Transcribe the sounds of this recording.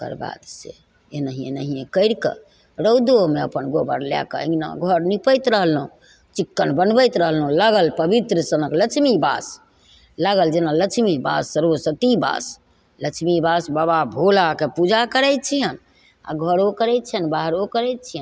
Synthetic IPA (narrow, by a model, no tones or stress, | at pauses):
kə̰ɾba̰d̪sḛ | enəɦiḛnəɦiẽkəɪɾkḛ | ɾəwd̪omeəpənɡobəɾla̰kə̰ḭna̰ɡʱəɾnipəjt̪ɾəɦlɦũ | t͡ʃikːənbənbəjt̪ɾəɦəlɦũlaɡəlpəbit̪ɾəsənəklət͡ʃʰmiba̰s | laɡəld͡ʒenalət͡ʃʰmiba̰sːəɾosət̪iba̰s | lət͡ʃʰmibasbababʱolakepud͡ʒʱakəɾɛt̪̚t͡ʃʰijən | a̰ɡʱəɾokəɾɛjt̪̚t͡ʃʰənbaɦɾokəɾɛjt̪̚t͡ʃʰijən